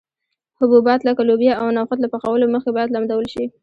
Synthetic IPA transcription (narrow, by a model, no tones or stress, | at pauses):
hʊbubɑt̪lakalobjaawnɑwxʊt̪lapaxawəloməxkebɑjad̪lamd̪awəlʃi